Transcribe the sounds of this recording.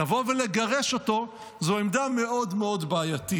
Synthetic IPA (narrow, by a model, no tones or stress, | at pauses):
avo̞vele̞ɡaʁeʃo̞to̞ | zoemd̪ame̞ʔo̞dmeo̞dbaːjati